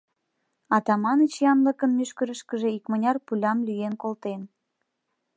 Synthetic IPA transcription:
ɑt̪ɑmɑnət͡ɕjɑnləkənmyʃkəɾəʃkəʒeikmənʲɑrpulʲɑmlyjenkolt̪en

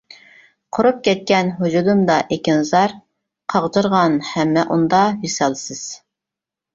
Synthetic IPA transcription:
qʰoɾup̚kʲʰɛt̪̚kʲɛnɦud͡ʒud̪umd̪ɑʔekʲɪnɨzɑɾ | qʰɑʁt̪ɨɾʁɑnhɛmːɛʔund̪ɑɦisɑlˠsɪz̥

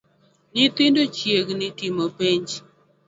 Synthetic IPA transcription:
nɪt̪ɪndot͡ʃjeɡnɪtɪmopeɲd͡ʒ

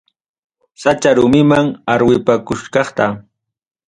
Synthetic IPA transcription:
sat͡ʃaɾʊmɪmaŋaɾwɪpakʊʃkɑχt̪a

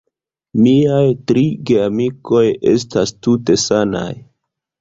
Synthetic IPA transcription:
miajtɾiɡe̞amiko̞je̞̰s̬tastute̞sana̰j

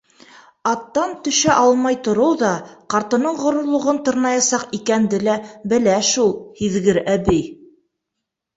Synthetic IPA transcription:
ɑt̪ːɑnt̪ɵ̆ʃæʔɑlˠmɑjt̪ŏɾɤwðɑqɑɾt̪ɤ̆nɤɴʁŏɾŏɾlˠŏʁɤnt̪ɤ̆ɾnɑjɑsɑqikænd̪ɘlæbɘ̆læʃulˠhiðɡɘɾæbɘj

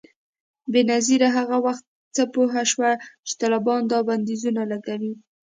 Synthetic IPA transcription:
benaziɾaɦaɣawaxt̪̚ | t͡səpoɦaʃwat͡ʃɪ̥t̪ɑlabɑnd̪ɑband̪izunalaɡawi

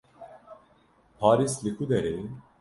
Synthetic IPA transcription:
pʰaːɾislɪkʰud̪ɛɾe

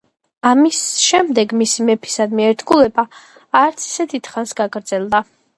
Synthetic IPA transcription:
amisʃɛmd̪ɛɡmisimɛpʰi̥sad̪miɛɾt̪ʰɡulɛbaː | ɾt̪sʰi̥sɛd̪id̪̥χansɡaɡɾd̪zɛlˠd̪a

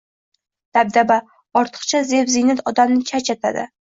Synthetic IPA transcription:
d̪̥ab̚d̪aba | ɒɾt̪ʰɨ̥qt͡ʃʰazevzɪnat̪ɒd̪amnɪt͡ʃʰat͡ʃʰat̪ʰa̰d̪ɪ̰

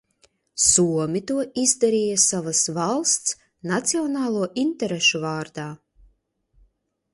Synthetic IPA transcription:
suɔmʲit̪uɔʔizd̪aɾiːjasavasvɑlˠst̪s | nat̪siɔnɑːlˠuɔʔint̪ɛɾeʃuvɑːɾd̪aː

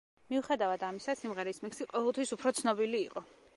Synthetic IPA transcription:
miuχɛd̪avad̪amisasimʁɛɾismɛkʰsiqʼɔvɛlˠt̪ʰwisupʰɾɔt̪sʰnɔbiliːqʼɔ

